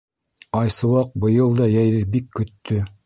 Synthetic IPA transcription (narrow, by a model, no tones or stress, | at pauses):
ɑjsɤ̆wɑq̚bɤ̆jɤlˠd̪ɑjæjðɘbikʰːɵ̆t̪ːɵ